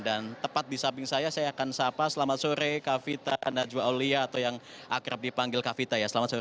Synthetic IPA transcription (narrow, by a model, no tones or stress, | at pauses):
dant̪əpat̪̚disabɪŋsajasajaːkansapasəlamat̪̚soɾekafit̪a̰nad͡ʒuaoliaːt̪awjaŋʔakɾap̚dipaŋɡɪlkafit̪ajasəlamat̪so